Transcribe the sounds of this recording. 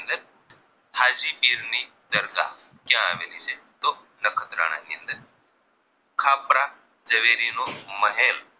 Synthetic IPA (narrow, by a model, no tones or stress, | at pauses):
nd̪əɾ | haːd͡ʒiːpiːɾni | d̪əɾɡa̰ | kjãa̰ːʋḛliːt͡ʃʰet̪oː | ləkʰət̪ɾə̰ɳ̃a̰ːniənd̪əɾ | kʰaːpɾa | d͡ʒəʋeːɾiːnoməɦeːl